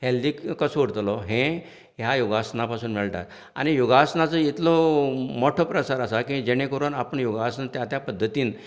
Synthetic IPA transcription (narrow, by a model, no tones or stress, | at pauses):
ɦelːiːkkəsuɽt̪lɔɦẽ | ɦjajoɡasnapasuːnmɛɭʈa̰ɾ | a̰ɽ̃ijoɡasnat͡səit̪lɔmoʈʰopɾəsaɾəsakĩd͡ʑeɽ̃ekəɾuːnapəɳjoɡasnat̪jat̪japəd̪ʱːət̪iːn